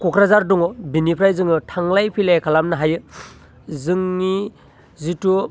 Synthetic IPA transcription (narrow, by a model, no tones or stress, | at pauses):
kukʰɾazaɾduŋɔbinipʰɾajzɯŋɯtʰaŋlajpʰilajkʰalamnɯɦajɯ | zɯŋːi | zitu